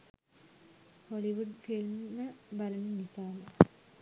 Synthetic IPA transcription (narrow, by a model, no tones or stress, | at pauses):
hoɭiʋuɖfilmnɨbɐlɐninisaːnɐ